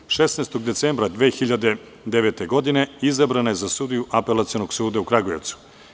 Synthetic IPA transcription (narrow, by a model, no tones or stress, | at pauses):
ʃesnaːst̪oɡd̪eseːmbɾad̪ʋeːxiʎad̪e̞ | d̪eʋeːt̪e̞ɡo̞d̪ine̞izabɾanaje̞zasud̪ijuʔapelˠat̪sijonoɡsuːd̪aukɾaɡojḛt̪su̥